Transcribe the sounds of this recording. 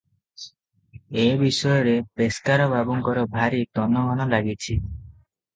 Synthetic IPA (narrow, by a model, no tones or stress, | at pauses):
ebisɔjɔɾepeskaɾɔbʱabɔŋkɔɾɔbʱaɾit̪ɔnɔɡɔnɔlaɡit͡ʃʰi